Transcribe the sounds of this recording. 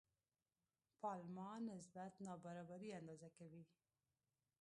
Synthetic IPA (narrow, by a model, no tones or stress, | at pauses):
pɑlmɑnɪs̬bat̪nɑbaɾɑbaɾiand̪ɑzakawi